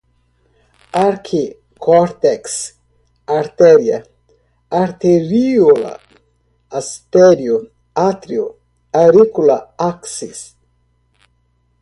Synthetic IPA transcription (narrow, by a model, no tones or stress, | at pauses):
aɾkʰi | kʰoɾt̪eks | aɾt̪eɾia̰ | aɾt̪eɾiula̰ | ast̪eɾju | at̪ɾiu | aɾikulaaksis